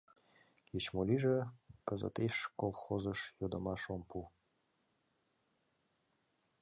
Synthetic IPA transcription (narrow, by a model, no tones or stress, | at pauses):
ket͡ɕmolʲiʒekəzə̰t̪eʃkolˠxozəʃjod̪əmɑʃompu